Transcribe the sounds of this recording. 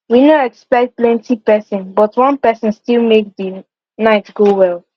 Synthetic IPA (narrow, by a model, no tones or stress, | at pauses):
winoɛkspɛk̚t̚plɛ̃ntipɛsɔ̃nbɔtwʌ̃npɛsə̃nstilˠmek̚ði | naɪtɡ̥owɛlˠ